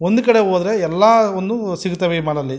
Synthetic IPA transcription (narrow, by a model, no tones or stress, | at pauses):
ond̪ukɐɽeɦoːd̪ɾeɛlːaːond̪usiɡut̪ɐʋemɐːlɐlːi